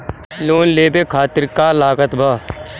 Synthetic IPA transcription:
loːnleːbeːkʰaːt̪ɪɾkaːlaːɡət̪bʱaː

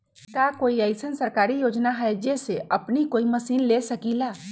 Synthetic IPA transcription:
kakoːiəɪsənsəɾkaːɾijoːd͡ʒnaɦɛd͡ʒeseʔɐpnikoːiməsiːnlesəkilaː

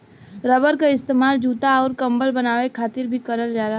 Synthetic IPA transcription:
ɾəbəɾkaɪst̪eːmaːld͡ʒuːt̪aɔːɾkɐ̃mbəlbɐnaːʋekʰaːt̪ɪɾbʱikɐɾəld͡ʒaːɾaɦ

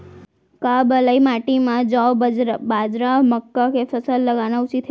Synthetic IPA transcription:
kabələimaʈimãd͡ʒawbad͡ʒɾaməkːakefəsəlːəɡanaut͡ʃit̪ʰ

